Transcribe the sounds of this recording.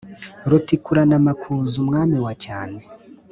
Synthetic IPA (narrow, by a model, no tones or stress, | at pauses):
ɾutikuɾanamakʰuːzumŋaːmiwacaːne